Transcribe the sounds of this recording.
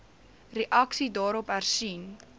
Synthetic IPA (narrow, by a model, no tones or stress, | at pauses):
rəʔɐksidɑːɾɔpærsin